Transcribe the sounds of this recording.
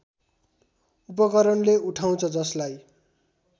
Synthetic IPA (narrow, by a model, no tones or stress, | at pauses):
upʌkʌɾʌnleuʈʰaw̃t͡sʰʌd͡zʌslaj